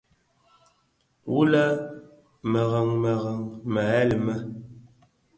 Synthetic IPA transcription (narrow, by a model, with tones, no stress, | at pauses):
wu˦la˦ | mə˨ɣa˨ŋmə˨ɣa˨ŋma˨˦lə˨mə˦